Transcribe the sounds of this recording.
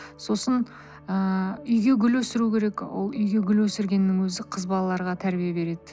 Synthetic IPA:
so̞sən | əʏjɡʲe̞ɡʲʏlwɵsɪɾukʲʰe̞ɾe̞kwo̰lˠʏjɡʲe̞ɡʲʏlwɵsɪɾɡʲe̞nːɪŋwɵzɪqʰəzbɑlˠɑlˠɑɾʁɑt̪ʰæɾbijabe̞ɾe̞d̪ɪ

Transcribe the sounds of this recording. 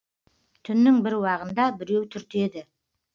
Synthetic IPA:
t̪ʰʏnːɪŋbɪɾwɑʁənd̪ɑbɪɾe̞wt̪ʰʏɾt̪e̞d̪ɪ

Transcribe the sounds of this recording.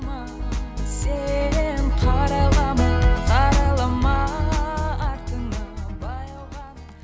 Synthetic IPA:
mɑ | senqʰɑɾɑlˠɑməqʰɑɾɑlˠɑmɑ | ɑɾt̪ənɑbɑjɑwʁɑn

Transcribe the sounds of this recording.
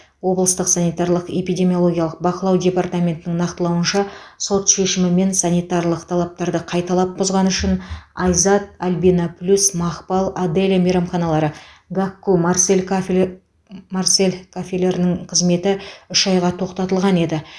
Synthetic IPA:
wo̞blˠəst̪əqsanijt̪ɑrlˠəqe̞pijdʲe̞mʲijolˠo̞ɡʲijɑlˠəq̚bɑqəlˠɑwd̪ʲe̞part̪amʲe̞nt̪ɪnɪŋnɑqt̪əlˠɑwənʃɑso̞t̪ʃeʃɪmɪme̞nsanʲijt̪aɾlˠəqt̪ʰɑlˠɑp̚t̪ɑɾd̪əqʰɑjt̪ɑlˠɑp̚bʊzʁɑnʏʃɪnɑjzɑt̪̚albinaplʲusmɑχpɑlˠad̪elʲamejɾɑmχɑnɑlˠɑɾə | ɡakːumarselʲ | marse̞lʲkʰofʲelʲe̞ɾɪnɪŋqʰəzme̞t̪ɪʏʃɑjʁɑt̪ʰo̞qt̪ɑt̪əlˠʁɑne̞d̪ɪ

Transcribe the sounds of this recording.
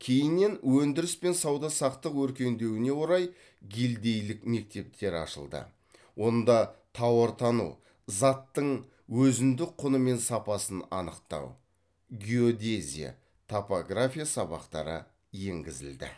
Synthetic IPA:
kʲʰe̞jɪnːe̞nwɵnd̪ɪɾɪspe̞nsɑwd̪ɑsɑqt̪əqwɵɾkʲe̞nd̪e̞wɪne̞wo̞ɾɑj | ɡʲeld̪e̞jlɪkme̞k̚t̪e̞p̚t̪ʰe̞ɾɑ̰ʃə̰lˠd̪ə̰ | wʔo̞nd̪ɑt̪ʰɑwəɾt̪ʰɑnṵ | zɑt̪ːəɴ | wɵzɪnd̪ɪk̚qʰːʊnəme̞nsɑpɑsənɑ̰nəqt̪ɑ̰w | ɡʲio̞d̪ʲezʲḭja̰ | t̪ʰopoɡrafʲijasɑbɑ̰qt̪ɑ̰ɾə̰ | je̞ŋɡʲɪzɪ̰ld̪ɪ̰

